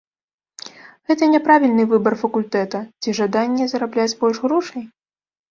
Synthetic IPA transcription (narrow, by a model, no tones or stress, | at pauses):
ɣɛt̪ɐnʲɛpɾavʲilʲnɨvɨbɐrfɐkulʲt̪ɛt̪ɐt͡sʲiʐad̪anʲːɛzɐɾablʲad͡zʲbɔlʲʐɣɾɔʂɐj